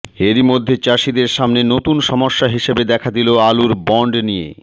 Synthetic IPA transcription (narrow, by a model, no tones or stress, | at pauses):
eɾimod̪ʱːet͡ɕaʃid̪eɾʃamnenot̪unʃɔmoʃːaɦiʃebed̪ɛkʰad̪iloaluɾbɔɳɖnijḛ